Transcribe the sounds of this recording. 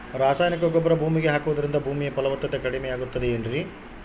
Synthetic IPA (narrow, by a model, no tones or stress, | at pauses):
ɾaːsaːjnik̬ɐɡɔbːɐɾɐbʱuːmiɡeɦaːkuʋɐd̪ɐɾind̪ɐbʱuːmijɐpɐlɐʋɐt̪ːɐt̪ekɐɽimɛjaːɡut̪ːɐd̪eeːnɾi